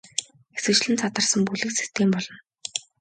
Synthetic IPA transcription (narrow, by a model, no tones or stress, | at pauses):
ɡesɘ̆k̚t͡ɕɮɘ̆nt͡sʰat̪ə̆rsə̆mpuɮɘ̆ksi̥st̪ʰeːmpɔɮɞ̆n